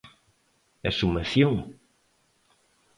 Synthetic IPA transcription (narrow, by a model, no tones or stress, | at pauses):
ɛsumɐθjoŋ